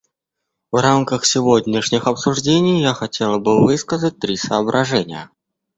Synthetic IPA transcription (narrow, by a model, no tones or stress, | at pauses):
vramkəxsʲɪvɔdʲnʲɪʂnʲixɐpsuʐd͡zʲenʲijjaxat͡sʲɛlˠəbɨvɨskəzət̚ʲt̪ɾʲisəːbɾʔaʐɛnʲɪjə̰